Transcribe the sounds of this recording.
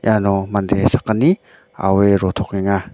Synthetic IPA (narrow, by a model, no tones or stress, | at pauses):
jʔanɔmandesakəni | a̰weɾɔt̪ʰɔkniŋa